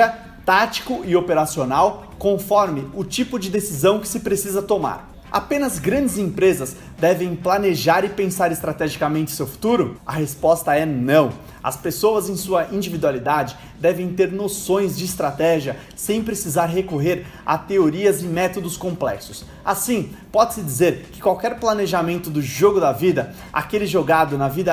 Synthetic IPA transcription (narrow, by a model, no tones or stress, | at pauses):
ɐ | t̪at͡ʃi̥kʊɪopeɾasionaw | kõfɔɾmɪʊt͡ʃipʊd͡ʒɪd̪esizɐ̃w̃kɪ̥sɪpɾesizɐt̪oma̰ɾ | a̰pẽnɐzɡɾɐ̃d͡ʒɪzẽpɾezɐz | d̪ɛvẽj̃planeʒaɾɪpẽsaɾɪst̪ɾat̪ɛʒikɐmẽnt͡ʃɪ̥sewfu̥t̪uɾʊɐhespɔst̪ɐɛnɐ̃w̃ | ɐ̰spesowɐzẽj̃suɐʔĩd͡ʒivid̪ualid̪ad͡ʒɪ | d̪ɛvẽj̃t̪eɾnosõj̃zd͡ʒɪːst̪ɾat̪ɛʒiɐ | sẽj̃pɾesizaɾɦekoɦeɾ | a̰t̪eoɾiɐzɪmɛt̪od̪ʊskõplɛ̰ksʊ̥s | asĩpɔd͡ʒɪsɪd͡ʒizeɾkɪ̥kwawkɛɾplaneʒamẽnt̪ʊd̪ʊʒoɡʊd̪ɐvid̪ɐ | a̰kelɪʒoɡad̪ʊnɐvid̪ɐ